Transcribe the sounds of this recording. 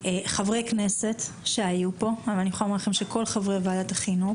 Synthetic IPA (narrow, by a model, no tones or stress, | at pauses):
eχavʁejknese̞t | ʃeajupo̞avalniχoalomaʁlaχemʃeko̞lχavʁevaːdat̪aχinu